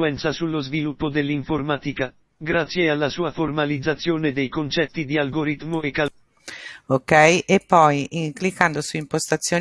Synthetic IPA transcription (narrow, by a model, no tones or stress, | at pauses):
uɛnt̪sasulːozvilupːod̪elːiɱfoɾmat̪ika | ɡɾat̪sːjealːasuːafoɾmalid̪zːat̪sːjoːned̪ejkont͡ʃɛt̪ːid̪ialɡoɾit̪moeka | okɛjʔepːɔjiŋklikːand̪osuimpost̪at̪sːjoː